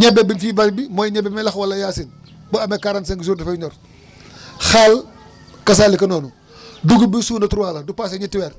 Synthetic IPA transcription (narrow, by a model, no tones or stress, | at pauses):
ɲɛbːɛbinfibaɾbimɔːjɲɛbɛmɛlɐxwɐlːɐjaːsin | bɔɐmɛkaɾans̬eŋɡisuɾdɐfɐɲɔr | xaːl | kɐs̬aːlikɐnɔːnu | duɡubisuːnɐtuɾuwaːlɐdupas̬ɐɲitːiwɛːr